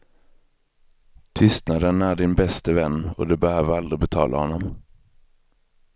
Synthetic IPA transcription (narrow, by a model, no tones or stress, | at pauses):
t̪ʰʏst̪nad̪ənæɖɪnbɛst̪əvɛnːɔ̰d̪ɵbɛhøːvəɾald̪ɾɪbɛt̪ʰɑ̰ːlʔa̰hɔnːɔm